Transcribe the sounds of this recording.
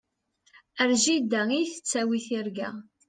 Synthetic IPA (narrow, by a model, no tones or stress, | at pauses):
əɾʒid̪æijθə̥t͡sːæwiθiɾɡæ̰